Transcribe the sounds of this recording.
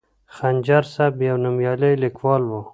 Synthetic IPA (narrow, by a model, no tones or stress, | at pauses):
xanʲd͡ʒɑɾsabjawnʊmjɑlejlɪkwɑːlwu